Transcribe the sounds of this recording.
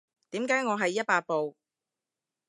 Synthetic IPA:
t̪i˨˥mkaː˨˥jŋɔː˨˧ɦɐ˨jːɐ˥t̚paː˧t̚po˨w

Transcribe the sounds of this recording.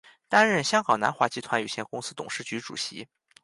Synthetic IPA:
t̪a˥nɻə˥˩nɕjɑ˥ŋkɑ˨˩na̰˧˥nxwa˧˥˩t͡ɕi˧˥t̪ʰwa˧˥ny˨˩ɕjɛ˥˩nkʊ˥ŋsɹ̩˥t̪ʊ̰˨˩ŋʂɻ̩˥˩t͡ɕy˧˥ʈ͡ʂṵ˨˩ɕḭ˧˥

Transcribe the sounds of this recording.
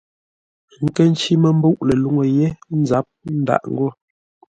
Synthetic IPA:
ŋ̩˦˨kə˦n˦t͡ʃi˦mə˦m̩˦bo˦ʔle˨lu˦ŋo˨je˦n˦za˦p̚n̩˦da̰˨ʔŋ̩˦ɡɔ˦˨

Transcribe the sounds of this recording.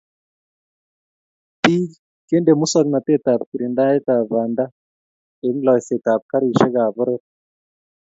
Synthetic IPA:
ti˦ | ke˦nde˨mu˦sa˦kna˨t̪e˦t̪a˨p̚ki˨ɾi˨nda˦e˦t̪a˨βa˨nda˦ | e˨ŋlɔ˨se˨t̪a˨p̚ka˦ɾi˨ʃe˦ɣa˨βʊ˦ɾe˦t̚

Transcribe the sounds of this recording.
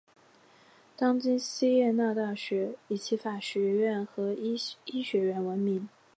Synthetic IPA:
t̪ɑ˥ŋt͡ɕi˥nɕi˥jɛ˥˧na˥˧t̪a˥˩ɕɥɛ˧˥i˨˩t͡ɕʰi˧˥fa˨˩ɕɥɛ˧˥ɥɛ˥˩nxɤ˧˥i˥ɕɥɛ˧˥ɥɛ˧˥nwə˧˥nmi˧˥ŋ

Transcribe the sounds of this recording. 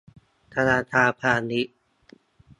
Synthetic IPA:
t̪ʰa˧naː˧t̪ʰaː˧pʰaː˧ni˦˥ʔ

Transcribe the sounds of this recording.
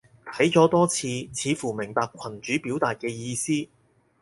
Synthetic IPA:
t̪ʰɐ˨˥jt͡sɔː˨˥t̪ɔː˥t͡sʰiː˨˧t͡sʰiː˨˧fuː˨˩mɪ˨˩ŋpaː˧kʷʰɐ˨˩nt͡ʃyː˨˥piː˨˥wt̪aː˨t̚kɛː˧jiː˧siː˥

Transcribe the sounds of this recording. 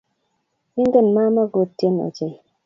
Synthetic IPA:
i˦ŋ˦ɡə˦˨nma˦ma˦ɡo˨tːe˦no̰˨d͡ʒe˨j

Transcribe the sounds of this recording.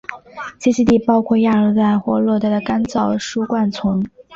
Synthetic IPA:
t͡ɕi˥ɕi˥˧t̪i˥˩pɑ˥ʊkʰwɔ˥˧ja˥˩ɤ˧˥t͡sa˥˩ɪxwɔ˥lwɔ˥˧t̪a˥˩d̪ə˩ka˥nt͡sɑ˥˩ʊʂu˥kwa˥˩nt͡sʰʊ˧˥ŋ

